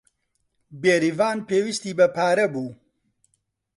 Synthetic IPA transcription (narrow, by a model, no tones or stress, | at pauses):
beːɾivaːnpeːwist̪iːbɐpaːɾɐbuː